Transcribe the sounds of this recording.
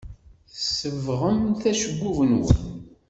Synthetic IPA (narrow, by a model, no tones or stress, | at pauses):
θsəvʁəmθæʃəɡʷːuvənwə̰n